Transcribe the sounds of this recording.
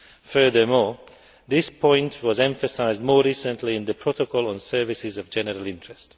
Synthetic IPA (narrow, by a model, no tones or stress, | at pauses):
fɜ˞ðə˞mɔ | ðɪspʰɔ̃ɪ̃ntʰwɔzɛ̃ɱfəsaɪzdmɔːɹisə̃nʰliɪ̃nðəpʰɹ̥otəkʰɔlˠə̃nsɜ˞vɪsɪzʌvd͡ʒɛnəɹəlˠɪ̃ntɹ̥ɛst